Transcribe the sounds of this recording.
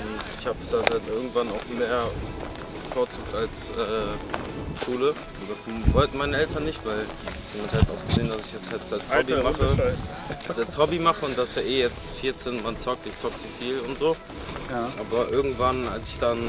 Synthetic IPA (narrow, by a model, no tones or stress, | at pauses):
ʔʊntɪçhaːbəsd̥adantʔɪɐɡŋ̩tv̥anaʊxmeːɐ | bəfoːɐt͡suːk̚tals | ʔɛː | ʃuːlə | ndasvɔltn̩maɪnəɛltʰɐnːɪçtv̥aɪl | sməthaltaʊxɡ̥əzeːndasɪçɛshaltalsɔbimaχə | salt͡shɔbimaχəʊntd̥asjaːʔeːjɛt͡s | fɪɐt͡senmant͡sɔk̚tɪçt͡sɔk̚diːfiːlʊntz̥oː | ʔaːbɐʔɪɐɡŋ̩tv̥analsɪ̥çd̥an